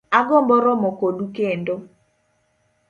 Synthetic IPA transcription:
aɡɔmbɔɾɔmokodukendo

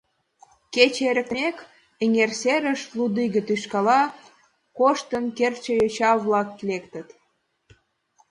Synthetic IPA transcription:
ket͡ɕeɾə̆kt̪əek | eŋerseɾəʃlud̪iɣə̆t̪yʃkɑlɑ | koʃt̪ənkert͡ɕəjøt͡ɕɑβlɑkːlekt̪ə̆t̪

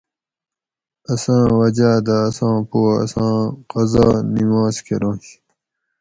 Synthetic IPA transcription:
ɐsãːwɐd͡ʑaːd̪aːsãːpoɐ̰sãːqɐzaːnimaːskʰeɾõːɕ

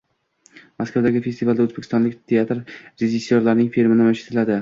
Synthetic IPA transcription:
maskawd̪aɡʲɪfe̞st̪ivalˠd̪aɵzbekʲʰɪst̪ɒnlɪkʲt̪ʰe̞at̪ɾɾe̞ʒɪsːoɾlaɾnɪŋfiɾmɪnɪmaʃɪ̥t̪ʰɪlad̪ɪ

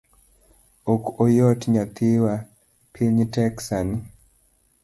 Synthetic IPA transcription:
okojɔtɲat̪ɪwa | pʰiɲtɛksan

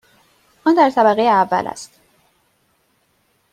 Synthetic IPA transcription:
ʔɔnd̪æɾt̪ʰæbæɣejeævːæ̰lʔæ̰st̪

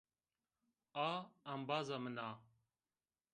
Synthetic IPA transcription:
aːɐmbaːzamənaː

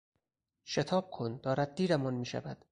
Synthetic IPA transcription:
ʃet̪ʰɒːb̚kʰond̪ɒːɾæd̪̚d̪iːɾæmɒnmiːʃæ̰væd̪̥

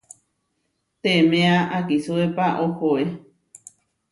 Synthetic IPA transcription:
t̪emẽaʔakisuepaʔohoe

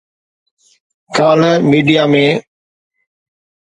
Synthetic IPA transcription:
kaːləmiːɖijaːmẽː

